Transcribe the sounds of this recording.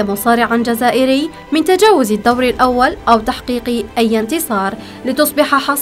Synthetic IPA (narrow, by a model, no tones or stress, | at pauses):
amʊsˤɑːɾɪʕand͡ʒazaːʔɪɾɪj | mɪnt̪ad͡ʒaːwʊzad̪ːawɾɪlʔawːalʔawt̪aħqiːqʔajːɪnt̪ɪsˤɑːɾˤ | lɪt̪ʊsˤbɪħaħɑs